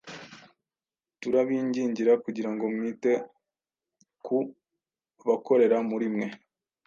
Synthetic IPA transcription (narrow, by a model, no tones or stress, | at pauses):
tuɾaβiːɲɟiːɲɟiɾakuɟiɾaŋɡomwite̞ | ku | βako̞ɾe̞ɾamuɾimŋe̞